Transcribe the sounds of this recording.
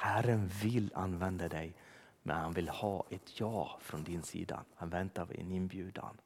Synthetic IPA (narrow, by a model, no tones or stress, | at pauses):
hæɾənvɪlːa̰nːvɛnd̪ad̪ɛj | mʔɛ̰nhanvɪlhɑːʔɛt̪ʰjɑːfɾɔnd̪ɪnsḭːd̪a̰hanvɛnt̪avɛ̰nɪnbjʉːd̪a̰n